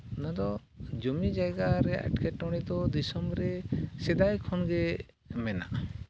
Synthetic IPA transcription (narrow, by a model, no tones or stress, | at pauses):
nad̪ɔ | d͡ʒɔmid͡ʒajɡaɾɛa̰ʈkʰɛʈɔɽ̃id̪ɔd̪isɔmbɾɛsɛd̪ajkʰɔnɡɛ | mɛna̰ʔ